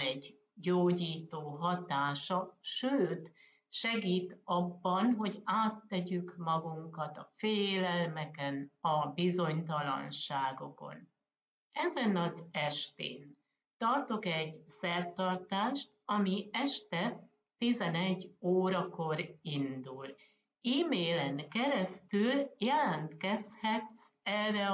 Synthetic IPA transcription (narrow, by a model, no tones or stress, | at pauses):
ɛɟ | ɟoːɟiːt̪oːɦɒt̪aːʃɒʃøːt̪ | ʃɛɡiːt̪ɒbːɒnɦo̞ɟaːt̪ːɛɟykmɒɡuŋkɒt̪ɒfeːlɛlmɛkɛnɒbizo̞ɲt̪ɒlɒ̰nʃaːɡo̞ko̞̰n | ɛzɛnɒzɛʃt̪ḛːn | t̪ɒrt̪o̞kɛɟsɛrt̪ɒrt̪aːʃt̪ɒmiɛʃt̪ɛ | t̪izɛnɛɟːoːɾɒko̞ɾind̪ul | iːmeːlɛŋkɛɾɛst̪yljɛlɛnt̪kɛshɛt̪sɛrːɛ